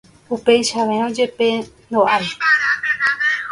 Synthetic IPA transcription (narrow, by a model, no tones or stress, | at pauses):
upejʃaʋeõd͡ʒe̞pend̪oʔaɾi